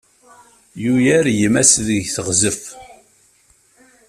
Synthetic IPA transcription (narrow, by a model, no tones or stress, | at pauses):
jujæɾjəmæsðəʝθəʁzəf